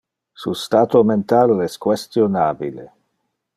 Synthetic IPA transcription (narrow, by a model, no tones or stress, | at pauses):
sust̪aːt̪oment̪alɛskwest̪jonaːbile